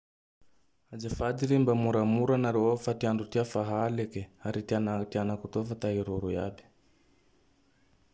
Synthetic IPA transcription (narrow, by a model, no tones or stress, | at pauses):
ad͡ʒafad̪iɾimbamuɾamuɾanaɾeofat̪iaɳɖ͡ʐut̪iafaɦalekeaɾit̪ianat̪ianakut̪ofat̪aɦiɾuɾuja̰bi̥